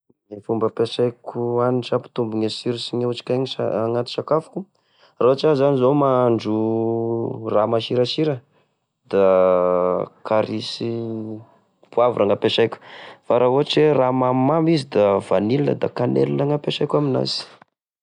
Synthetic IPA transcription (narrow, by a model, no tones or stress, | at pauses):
efumbəpesajkʲuaniʈ͡ʂapi̥t̪umbuŋesiɾisiŋeut͡ʃi̥kʲajŋia̰aŋat̪i̥sakafu̥kʲu | rauat͡ʃazanizomaɳd͡ʒu | ramaʃiɾaʃiɾə | d̪̥a | kaɾisi | puavṵɾʔaŋapeʃajkʲu̥faɾʔaɦuɦaʈ͡ʂeramammambizid̪avanilinə̰d̪a̰kanḛlunaŋapeʃajkʲamina̰zi̥